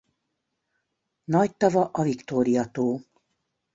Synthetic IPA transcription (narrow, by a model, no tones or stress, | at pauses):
nɒct̪ɒvɒʔɒvikt̪oːɾijɒt̪oː